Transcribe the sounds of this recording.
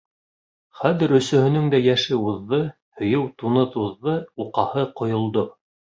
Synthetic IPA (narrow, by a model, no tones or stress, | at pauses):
χæðɘ̆ɾɵ̆sɵ̆hɵ̆nɵŋd̪æjæʃɘuðːɤ | hɵ̆jɤwt̪unɤðuðːɤuqɑhɤqŏjŏlˠd̪o